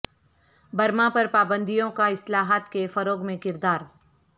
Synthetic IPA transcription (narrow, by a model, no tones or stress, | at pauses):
bɐɾmãpɐɾpaːbə̃nd̪ijõkaɪslaːɦat̪kefɐɾoːɡmẽkɪɾd̪aːɾ